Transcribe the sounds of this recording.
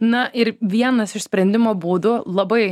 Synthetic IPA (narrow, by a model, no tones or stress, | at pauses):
nɐʔɪɾʋʲiɛnɐsɪʃsʲpʲɾʲɛnʲd̪ʲɪmoːbuːd̪ʊlˠɐbɐɪ